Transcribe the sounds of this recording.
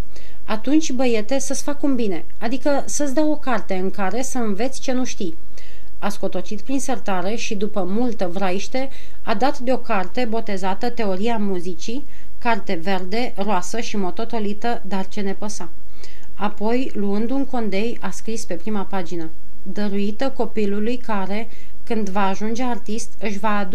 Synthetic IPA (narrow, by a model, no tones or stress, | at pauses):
at̪unt͡ʃʲbəje̞t̪e̞səsfakumbine̞ | ad̪ikə | səsd̪awo̞kart̪e̞ɨŋkaɾe̞səɨnve̞t̪sʲt͡ʃe̞nuʃt̪ij | asko̞t̪o̞t͡ʃit̪̚pɾinsərt̪aɾe̞ʃid̪upəmult̪əvɾaiʃt̪e̞ | ad̪at̪d̪eo̞kart̪e̞bo̞t̪e̞zat̪ət̪e̞o̞ɾiamuzit͡ʃi | kart̪e̞ve̞rd̪e̞ | roasəʃimo̞t̪o̞t̪o̞lit̪əd̪art͡ʃe̞ne̞pəsa | apo̞jluɨnd̪uŋko̞nd̪e̞jaskɾispe̞pɾimapad͡ʒinə | d̪əɾuit̪əko̞pilulujkaɾe̞ | kɨnd̪vaːʒund͡ʒeart̪ist̪ɨʃvaːd̪